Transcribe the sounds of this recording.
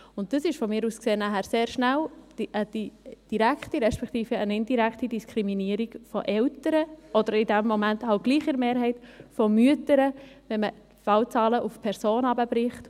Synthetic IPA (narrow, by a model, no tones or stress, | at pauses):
ʊnt̚d̥əsɪʃfɔmiːɾuːskseːnæhæːɾseːɾʃnæld̥iʔəd̥id̥iɾæktiɾɛʃpɛkʰt̪iːfəənɪndiɾæktid̥iskʰɾiminiːəɾiɡfɔʔɛltəɾəɔd̪əɾɪdæmːɔmænthɑlt̚ɡ̥liːχəɾmeːɾɦɛɪtfɔmyətəɾəʋɛnmə | fɑwt͡sɑːləʔufpʰɛɾsoːnɑbəbɾɪχt